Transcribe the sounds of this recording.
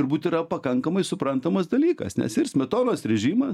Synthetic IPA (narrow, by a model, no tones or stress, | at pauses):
ʊɾbuːt̪ʲiɾɐpɐkɐŋkɐmɐɪsʊpɾɐnt̪ɐmɐsd̪ɐlʲiːkɐ̰snʲɛ̰sɪrsʲmʲɛt̪oːnoːsɾʲɛʒʲiːmɐ